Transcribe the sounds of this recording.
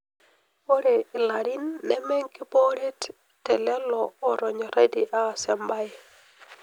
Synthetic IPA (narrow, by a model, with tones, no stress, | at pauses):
o˦ɾe˨la˨ɾi˦nːɛ˦mɛ˦ŋkɪ˦po˦ɾe˦t | tːɛ˨lɛ˦lɔː˨ɾɔ˨ɲɔ˨ɾa˦di˨ʔa˦˨sɛ˨mba˦j